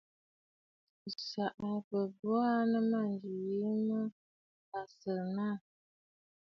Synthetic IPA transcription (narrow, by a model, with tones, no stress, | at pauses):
sa˨ʔa˨pə˨bɔ˦a˦nə˦ma˦˨nd͡ʒi˨ji˦mə˦ | a˨sə˨na˦˨